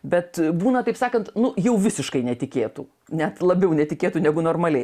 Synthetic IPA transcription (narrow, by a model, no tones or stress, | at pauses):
bʲɛt̪buːnɐt̪ɐɪpsɑːkɐnt̪nʊjɛʊʋʲɪsʲɪʃkɐɪnʲɛt̪ʲɪkʲeːt̪u | nʲɛt̪lˠɐbʲɛʊnʲɛt̪ʲɪkʲeːt̪unʲæɡʊnoːrmɐlʲɛɪ